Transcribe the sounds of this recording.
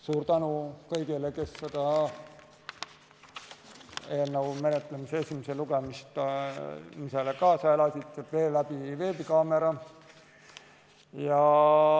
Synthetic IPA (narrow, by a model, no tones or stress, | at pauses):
suːɾt̪ænukɤjɡileke̞sːed̪̥ɑ | enːowme̞net̪ˑlemiseesʲimese̞luɡ̥emist̪ | miselekɑːsɑe̞lɑsʲit̪ve̞ːlːæb̥ive̞ːbikɑːme̞ɾɑ | jɑ